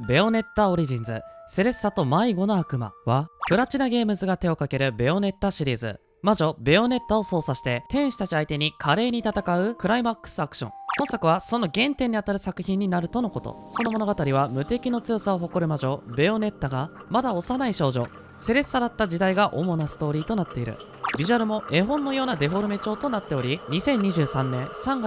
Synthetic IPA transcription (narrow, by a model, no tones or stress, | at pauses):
be̞o̞ne̞t̪ːao̞ɾʲiʑĩnzɨ̰se̞ɾe̞sɨ̥sat̪o̞maiɡo̞no̞akɯ̟ma̰βakɯ̟ɾat͡ɕinaɡe̞ːmɯ̟zɨɡat̪e̞o̞kake̞ɾɯ̟be̞o̞ne̞t̪ːaɕiɾʲiːzɨ̰ | maʑo̞be̞o̞ne̞t̪ːaoso̞ːsaɕi̥t̪e̞t̪ẽ̞ɰ̃ɕi̥t̪at͡ɕiait̪e̞ɲ̟ikʰaɾe̞ːɲ̟it̪at̪akaɯ̟kɯ̟ɾaimakːɯ̥sɨakɯ̟̥ɕõ̞̰ŋõ̞sakɯ̟β̞aso̞no̞ɡẽ̞nt̪ẽ̞ɲ̟ːiat̪aɾɯ̟sakɯ̟̥çĩɲ̟ːinaɾɯ̟t̪o̞no̞ko̞t̪o̰so̞no̞mo̞no̞ɡat̪aɾʲiβ̞amɯ̟t̪e̞kʲino̞t͡sɨjo̞sao̞ɦo̞ko̞ɾɯ̟maʑo̞be̞o̞ne̞t̪ːaɡamad̪ao̞sanaiɕo̞ːʑo̞̰ | se̞ɾe̞sɨ̥saɾat̪ːad͡ʑid̪aiɡaʔo̞mo̞nasɨ̥t̪o̞ːɾʲiːt̪o̞nat̪ːe̞iɾɯ̟̰ | bʲiʑɯaɾɯ̟mo̞e̞ɦõ̞nːo̞jo̞ːnad̪e̞ɸo̞ɾɯ̟me̞t͡ɕo̞ːt̪o̞nat̪ːe̞o̞ɾʲiɲ̟isẽ̞ɲ̟ːiʑɨːsãnːẽ̞ɰ̃sãŋɡa